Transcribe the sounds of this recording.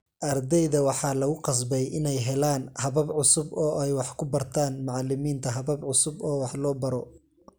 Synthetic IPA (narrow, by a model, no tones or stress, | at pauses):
ʔɐrd̪ɛjðɐwɑħɑːlɐɣʊqɑs̬bɛjʔɪnɛjɦɛlaːnhɐβɐbʕʊsʊbɔːʔɛjwɑħkʰʊbɐrt̪ʰaːnmɑʕɑlːɪmiːnt̪ʰɐɦɐβɐbʕʊsʊbɔːwɑħlɔːbɐɾɔ